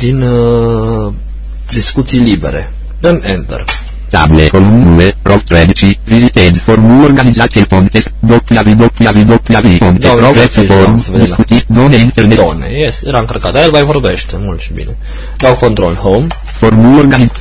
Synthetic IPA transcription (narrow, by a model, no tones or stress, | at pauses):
d̪in | d̪iskut̪sijlibḛɾḛ | ɨnɛnt̪ḛr | t̪a̰blekolund̪uerʔovt̪ɾɛd̪it͡ʃivizit̪ed̪formulorɡanid̪zat̪elpont̪esd̪opiavid̪opiavid̪opiaviponeɾoɛsifoɾumvd̪iskut̪id̪oneint̪erned̪onḛjesjeɾaɨŋkərkat̪ajelvajvorbeʃt̪emult̪ʃi̥bḭne | d̪awkont̪ɾolhowm | formulorɡani